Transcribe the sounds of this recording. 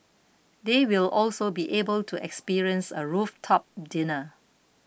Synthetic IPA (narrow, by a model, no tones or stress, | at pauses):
dewilʔɔlsobiʔebəltʰuʔɛ̰kspiɹiə̃nsə̰ɹuftʰɔp̚dɪnə